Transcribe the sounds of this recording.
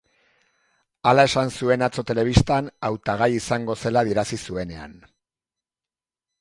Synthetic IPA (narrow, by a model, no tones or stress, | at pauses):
alae̞sansue̞nat͡so̞t̪e̞le̞β̞ist̪anawt̪aɣ̞ajisaŋɡo̞se̞laðiɾasisue̞ne̞a̰n